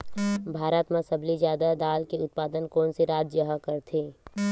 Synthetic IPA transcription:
bʱaːɾət̪mãsəblizjaːd̪ad̪aːlkeʊt̪̚paːd̪ənkɔːnseɾaːd͡ʒ̪d͡ʒəɦəkəɾt̪ʰeː

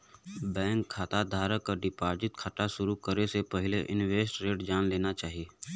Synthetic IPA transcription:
bɛ̃ːŋkʰːaːt̪ad̪ʱaːɾəkːaɖɪpaːɾd͡ʒɪt̪̚kʰəʈaʃʊɾukəɾesepɐɦɪleʔɪnʋeːsʈɾeːɖd͡ʒaːnleːnat͡ʃaːɦijeː

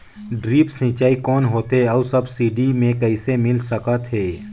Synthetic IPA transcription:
ɖɾiːpsɪ̃ːt͡ʃaːikɔːnɦoːt̪ɦeɔːsɐbsiːɖimẽkɛɪsemɪlsɐkat̪ʰɦeː

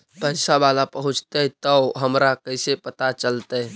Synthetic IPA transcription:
pəɪsabalapəɦʊ̃t͡ʃt̪ət̪əɦəmɾakəɪsepət̪at͡ʃəlt̪ə

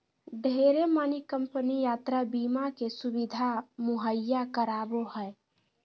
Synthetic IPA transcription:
ɖʱeɾemanikəmpənijat̪ɾabimakesubid̪ʱamuɦəjːakəɾaboɦəj

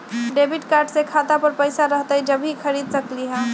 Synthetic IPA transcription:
ɖebiʈkaɾɖsekʰat̪apəɾpəjsaɾəɦt̪əd͡ʒəbʱikʰəɾid̪səkliɦə̃

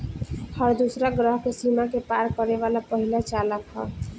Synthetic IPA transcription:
həɾd̪usɾaɡɾəɦkesimakepaɾkəɾeʋalapəɦilat͡ʃaləkɦɔ̰

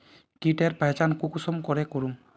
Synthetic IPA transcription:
kiʈɛɾpajt͡ʃankukusɔmkɔɹɛkoɹum

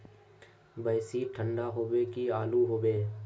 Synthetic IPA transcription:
bəːsiʈʰə̃ɳɖaɦoːbekiaːluɦoːbeː

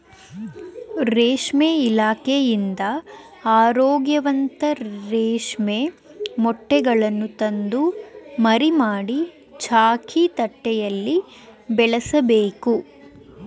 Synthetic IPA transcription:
ɾeːʂmeilaːkejind̪ɐ | aːɾoːɡjɐʋɐnt̪ɐɾeːʂmemɔʈːɛɡɐɭɐnːut̪ɐnd̪umɐɾimaːɽi | t͡ʃʰaːkʰit̪ɐʈːɛjɐlːi | bɛɭɐsɐbeːku

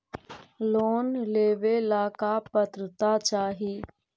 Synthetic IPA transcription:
loːnleːʋelaːkapət̪ɾət̪at͡ʃaːɦiː

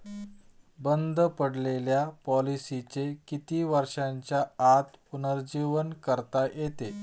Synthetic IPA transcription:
bənd̪ʱəpəɽleljapɔlisit͡sekit̪iːʋəɾʂãɲt͡ɕjaːt̪punəɾd͡ʑiʋənkəɾt̪ajet̪e

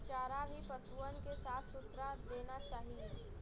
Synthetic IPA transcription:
t͡ʃaːɾabʱipɐsuːənkesaːt̪ʰsʊt̪ɾad̪eːnat͡ʃaːɦi

